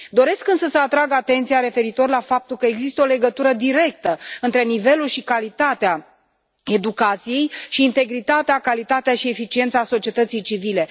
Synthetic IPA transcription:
d̪o̞ɾe̞skɨnsəsəat̪ɾaɡat̪e̞nt̪sijaɾe̞fe̞ɾit̪o̞rlafap̚t̪ulkəeɡzist̪əole̞ɡət̪uɾəd̪iɾe̞k̚t̪əɨnt̪ɾe̞nive̞lulʃikalit̪at̪ea | e̞d̪ukat̪sije̞jʃiːnt̪e̞ɡɾit̪at̪eakalit̪at̪eaʃie̞fit͡ʃie̞nt̪saso̞t͡ʃie̞t̪ət̪sijt͡ʃivile̞

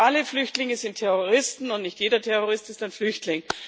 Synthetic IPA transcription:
aləflʏçtlɪŋəzɪntʰɛʁoʁɪstn̩ʊntnɪçtjeːdɐtʰɛʁoʁɪstɪstaɪnflʏçtlɪŋ

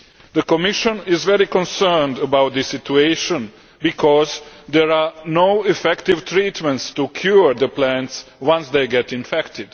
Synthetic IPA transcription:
d̪əkɔmɪʃə̃nɪzvɛɾikɔ̃nsɜːndəbawt̪̚d̪ɨsɪtueɪʃə̃n | bikʰɔzd̪ɛɹanoʊɪfɛkt̪ɪvt̪ɾiːt̪mɛ̃nt̪st̪ukʰjuɹd̪əplæ̃ntswãnsd̪eɪɡɛt̪ɪ̃nfɛkt̪ɪd̥

